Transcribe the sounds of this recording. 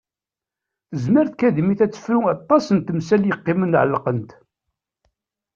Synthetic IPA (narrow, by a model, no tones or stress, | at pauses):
θəzməɾθkæðmiθæt͡sːə̥fɾuɑt̪ˤːɑsənt̪əmsæljəqːɪmənʕəlːqənt̪